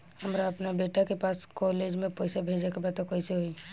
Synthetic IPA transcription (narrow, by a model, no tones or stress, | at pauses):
həmɾaəpnabeːʈakepaːskɔːleːd͡ʒmẽpɔɪsebʱeːd͡ʒakebat̪okoɪseɦoi